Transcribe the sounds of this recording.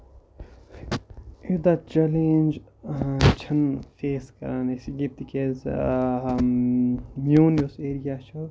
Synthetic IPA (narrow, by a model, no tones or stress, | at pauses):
id̪at͡ʃɛlẽːnd͡ʒ | t͡ʃʰɐnfeːskɐ̰ɾaːnesiɡip̚t̪ikez | mjuːnjuseːɾijaːt͡ʃo